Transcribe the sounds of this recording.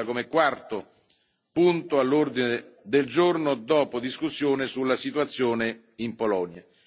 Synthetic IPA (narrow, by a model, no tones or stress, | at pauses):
akomekwart̪o | punt̪oalːurd̪ined̪eld͡ʒornod̪ɔːpod̪iskusːjoːnesulːasit̪uwat̪sːjoːne | impolɔnja